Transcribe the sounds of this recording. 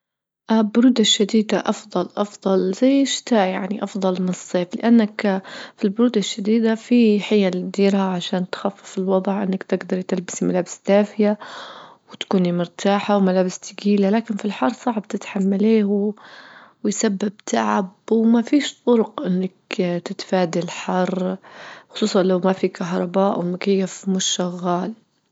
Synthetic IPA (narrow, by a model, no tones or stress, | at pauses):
ʔabʊɾuːd̪aʃːad̪iːd̪aʔɑfðˤɑlʔɑfðˤɑlzajːɪʃt̪aːjaʕniʔɑfðˤɑlmɪnɨsˤːeːflɪʔanːakfilbʊɾuːd̪aʃːad̪iːd̪afiħajalɪd̪iːɾhaʕaʃaːnt̪xafːɪfɪlwɑd̪ˤʕʔɪnːakt̪ɪɡd̪ɑɾˤjt̪ɪlbɪ̥simalaːbɪst̪aːfɪja | wt̪kuːnimʊɾt̪aːħawmalaːbɪst̪ɪɡiːlalaːkɪnfilħɑrˤsˤɑʕbt̪ɪt̪ħamːaleːhw | wjsabːɪb̚t̪ʰaʕabwmafiːʃt̪ˤʊɾʊqʔɪnːakt̪ɪt̪faːd̪ilħɑrˤ | xʊ̥sˤuːsˤɑnlawmafikaɦɾˤɑbaːʔwmʊkajːafmʊʃːaɣːaːl